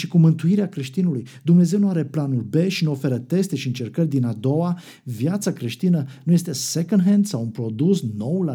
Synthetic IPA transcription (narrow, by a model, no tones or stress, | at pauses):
ʃikumɨnt̪uiɾeakɾe̞ʃt̪inulujd̪umne̞ze̞wnuaɾe̞planulʲbe̞ʃinuo̞fe̞ɾət̪e̞st̪e̞ʃiɨnt͡ʃe̞rkərʲd̪inad̪o̞wa | vjat̪sakɾe̞ʃt̪inənuje̞st̪e̞sekond̪ɦend̪sawunpɾo̞d̪usno̞wla